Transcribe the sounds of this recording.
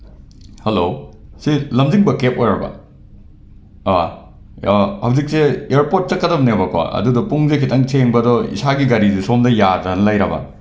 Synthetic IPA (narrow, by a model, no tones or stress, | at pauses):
helosilɐmziŋbɐkep̚ojɾɐbɐ̰ | hɐwzik̚seeɾpoɾt̚t͡ʃɐkːɐdɐbɐnebɐkwa̰ʔɐ̰dudɔpuŋzekʰitɐŋtʰeŋbɐdɔḭsaɡiɡɐɾizisomdɐjadɾɐnɐlɐjɾɐbɐ̰